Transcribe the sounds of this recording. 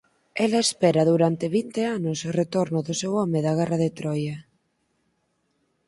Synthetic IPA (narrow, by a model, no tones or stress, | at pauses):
ɛlaespɛɾaðuɾant̪eβ̞int̪eanʊsret̪oɾnʊðʊsewɔmeðɐɣ̞ɛraðet̪ɾɔja